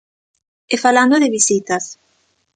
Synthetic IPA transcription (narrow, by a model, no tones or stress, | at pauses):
efaland̪oðɪβisit̪as